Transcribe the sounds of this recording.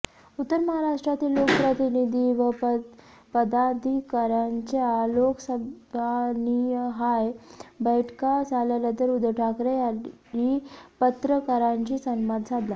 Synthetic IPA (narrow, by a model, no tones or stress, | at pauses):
ut̪ːəɾməɦaɾaʂʈɾat̪iːlːokəpɾət̪inid̪ʱiʋə | pəd̪ad̪ʱikəɾaɲt͡ɕaloksəbbʱaniɦajbəjʈkad͡zaljaljat̪əɾud̪ʈʰakɾeaipət̪ɾəkəɾãɲt͡ɕiːsənmad̪d͡zʱad̪la